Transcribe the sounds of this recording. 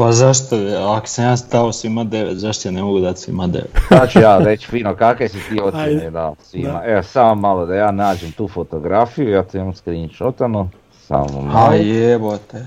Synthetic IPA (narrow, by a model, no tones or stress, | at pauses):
pazaʃt̪oako̥samjaːst̪aosʋimad̪eʋet̪zaʃt̪ojanemoɡud̪at̪sʋḭmad̪ḛʋet̪zat͡ʃujaːɾet͡ɕfiːnokakesit̪iːot̪ened̪asʋimaeosamomːalˠod̪ajaːnaːd͡ʒemt̪uːfot̪o̞ɡɾafijujaːt̪oimamskɾiːnʃot̪ano | sa̰mo̰majebot̪e